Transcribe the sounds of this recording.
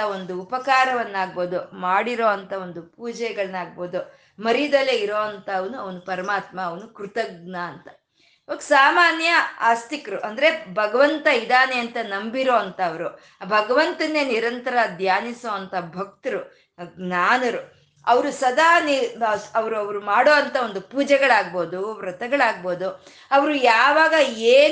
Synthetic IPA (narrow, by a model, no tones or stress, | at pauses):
ɐo̞nd̪uːpɐkaːɾɐʋɐnːaːɡ̚boːd̪umaːɽiɾoːɐnt̪ʰɐo̞nd̪upuːd͡ʒɛjɡɐɭɐnːaːɡ̚boːd̪u | mɐɾid̪ɐleiɾoːɐnt̪ɐːʋɐnuɐʋɐnupɐɾɐmaːt̪mɐːʋɐnukɾut̪ɐɡ̚naːnt̪ɐ̥ | oːɡsaːmaːnjɐa̰ːst̪ikɐɾuʔɐnd̪ɐɾe̞bʱɐɡɐʋɐnt̪ɐid̪aːneɐnt̪ɐnɐmbiɾo̞ːɐnt̪ɐːʋɐɾu | bʱɐɡɐʋɐnt̪ɐnːeniɾɐnt̪ɐɾɐd̪ʱjaːnisoːɐnt̪ɐbʱɐk̚t̪ɐɾu | naːnɐɾu | ɐʋɐɾusɐd̪aːniɐʋɐɾuɐʋɐɾumaːɽoːɐnt̪ɐo̞nd̪upuːd͡ʒɛɡɐɭaːɡ̚bo̞ːd̪uɾɐt̪ɛɡɐɭaːɡ̚bo̞ːd̪u | ɐʋɐɾujaːʋaːɡɐeː